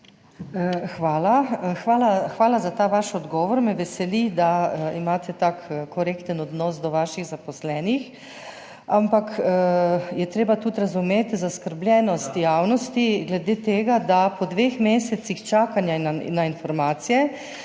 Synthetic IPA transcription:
xʋaːlaxʋaːlaxʋaːlazat̪aːʋaʃɔd̪ɡɔːʋɔɾmɛʋɛsɛlid̪aimaːt̪ʰɛt̪akkɔɾekt̪ənɔd̪nɔsd̪ɔʋaːʃiɣzapɔslɛːnix | ampak | jɛt̪ɾeːbat̪ut̪ɾazumeːt̪zaskəɾblʲɛnɔst̪jaːwnɔst̪iɡlɛd̪eːt̪eːɡad̪apɔd̪ʋeːxmeːsɛt̪sixt͡ʃaːkanjana̰nːainfɔɾmaːt̪sijɛ

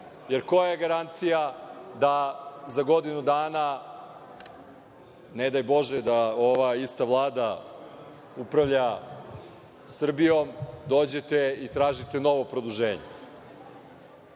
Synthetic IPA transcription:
je̞ɾko̞jaajeɡaɾant̪sijad̪azaɡo̞d̪inud̪aːna | ned̪ajbo̞ʒed̪aoʋaist̪aʋlˠaːd̪a | upɾaʋʎa | sr̩bijo̞md̪oːd͡ʑe̞t̪eit̪ɾaːʒit̪eno̞ʋo̞pɾod̪uʒeːɲḛ

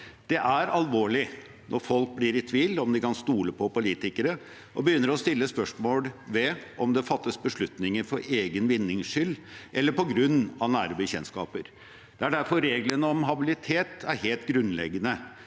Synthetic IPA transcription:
d̪̥ɛʔæɾɑlʋoːɭɪ | nʔɔɾfɔlk̚blɪɾɪt̪ʰʋiːlɔmd̪ɪkɑnst̪uːləpʰɔpʊliːt̪ɪkəɾə | ʔɔbəjʏnːəɾɔst̪ɪlːəspœʂmoːlʋɛʔɔmd̪ɛfɑt̪ːəsbəʂɭʉt̪nɪŋəɾfɔɾeːɡənʋɪnːɪŋsʂʏlːʔɛlːəɾpɔɡɾʉnːɑnæːɾəbəçɛnskɑ̰ːpəɾ | d̪̥ɛæɖæɾfɔɾːeːɡlənəɔmɦɑbɪlɪt̪ʰeːt̪æɾheːlt̪ɡɾʉnlɛ̰ɡənə

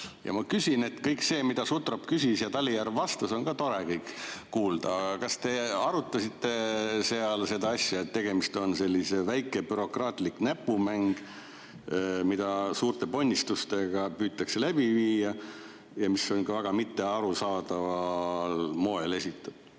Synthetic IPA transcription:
jɑ̰mɑkysʲine̞t̪kɤjkse̞ːmid̪̥ɑsut̪rɑpkysʲisjɑt̪ɑlʲːijærvɑst̪ɑso̞nkɑt̪o̞ɾe̞kɤjkːuːld̪̥ɑɑɑkɑst̪e̞ɑɾut̪ˑːɑsit̪ːe̞se̞ɑlse̞d̪ɑɑsʲjɑet̪ːe̞ɡ̥e̞mist̪o̞nse̞lʲːise̞væjkːˑe̞byɾo̞krɑːt̪liknæpːˑumæŋɡ̥ | mid̪̥ɑsuːrt̪epo̞nʲːist̪ust̪e̞ɡ̥ɑpyːt̪ːˑɑkse̞læb̥iviːjɑ | jɑmiso̞nkɑvæɡ̥ɑmit̪ːe̞ɑɾusɑːd̪ɑvɑlmo̞e̞le̞sit̪ːˑud̥̪

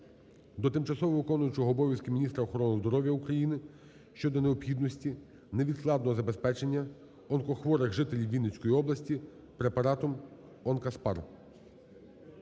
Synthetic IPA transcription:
d̪ɔt̪ɪmt͡ʃɐsɔʋɔʋɪkɔnʊjʊt͡ʃɔɦɔːbɔʋʲjɐskɪmʲinʲist̪ɾɐɔxɔɾɔnʊzd̪ɔɾɔʋʲjɐukɾɐjinɪ | ʃt͡ʃɔd̪ɔneɔpxʲid̪nɔsʲtʲi | neʋʲid̪sklˠɑd̪nɔɦɔzɐbespɛt͡ʃe̞nʲːɐ | ɔnkɔxʋɔɾɪɣʒɪt̪elʲiwʋʲinet͡sʲkɔjiɔblˠɐsʲtʲi | pɾepɐɾɑt̪ɔm | ɔnkɐspɑ̰r

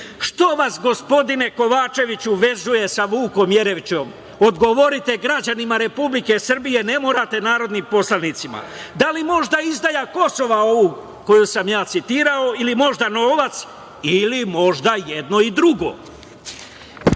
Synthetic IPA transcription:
ʃt̪o̞ʋasɡo̞spo̞d̪ine̞ko̞ʋaːt͡ʃe̞ʋit͡ɕuʋe̞zuje̞saʋuːko̞mje̞ɾe̞ʋt͡ɕo̞m | od̪ɡo̞ʋo̞ɾit̪e̞ɡɾad͡ʑanimaɾe̞publike̞sr̩bije̞ne̞moːɾat̪e̞naːɾo̞d̪nimpo̞slanit̪sima̰d̪alimo̞ʒd̪aizd̪ajako̞so̞ʋao̞ʋu | ko̞jusamjaːt̪sit̪iːɾao̞ilimo̞ʒd̪ano̞ːʋat̪s | ilimo̞ʒd̪ajed̪no̞id̪ɾuɡo̞̰

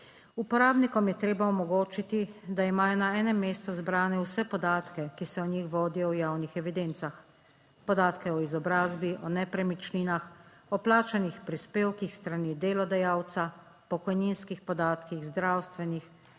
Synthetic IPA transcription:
upɔɾaːbnikɔmjɛt̪ɾeːbaɔmɔɡoːt͡ʃit̪id̪aimaːjɔnaɛːnɛmːeːst̪uzbɾaːnɛwsɛpɔd̪aːt̪kɛkisɛɔnɲixʋɔːd̪ijɔwjaːwnixɛʋid̪ent̪sax | pɔd̪aːt̪kɛɔizɔbɾaːzbiʔɔnɛpɾɛmit͡ʃniːnax | ɔplaːt͡ʃanixpɾispeːwkixst̪ɾanid̪eːlɔd̪ɛjaːwt̪sa | pɔkɔjninskixpɔd̪aːt̪kiɣzd̪ɾaːwst̪ʋɛnix

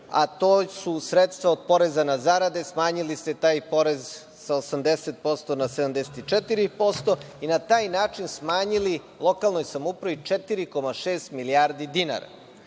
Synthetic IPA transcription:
a̰t̪oːsusɾet̪st̪ʋao̞d̪̚po̞ɾezanazaɾad̪e̞smaːɲiliset̪aːjpo̞ɾe̞z | saosamd̪eset̪̚po̞st̪o̞nased̪amd̪ese̥t̪it͡ʃet̪iɾipo̞st̪o̞inat̪aːjnaːt͡ʃinsmaːɲili | lˠo̞kalˠnojsamoupɾaʋit͡ʃet̪iɾiko̞maʃeːst̪miliaɾd̪id̪ina̰ɾa̰

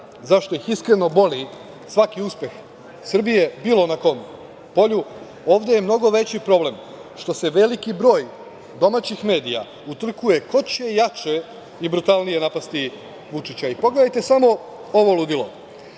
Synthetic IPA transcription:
zaʃt̪o̞ixiskɾe̞no̞bo̞li | sʋakiuspe̞x | sr̩bije̞biːlˠo̞nako̞ːm | po̞ʎu | o̞ːʋd̪e̞jemno̞ɡo̞ʋe̞t͡ɕipɾo̞ble̞m | ʃt̪o̞se̞ʋe̞likibɾo̞ːj | d̪o̞mat͡ɕixme̞ːd̪ija̰ | ut̪r̩kuje̞ko̞t͡ɕejat͡ʃe | ibɾut̪alˠnije̞napast̪i | ʋut͡ʃit͡ɕaipo̞ɡle̞d̪ajt̪e̞samo̞ | o̞ʋo̞lud̪ilo̰

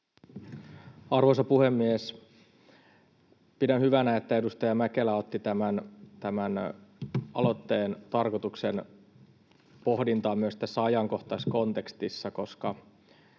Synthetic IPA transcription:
ɑrʋo̞sɑpuhe̞mːies | pidænhyʋænæet̪ːæe̞dust̪ɑjɑmæke̞læo̞t̪ːit̪æmænt̪æmæn | ʔɑ̰lo̞t̪ːe̞ːnt̪ɑrkot̪uksen | po̞hdint̪ɑːmyøst̪æsːæɑjɑŋko̞ht̪ɑsko̞nt̪e̞kst̪isːɑko̞skɑ

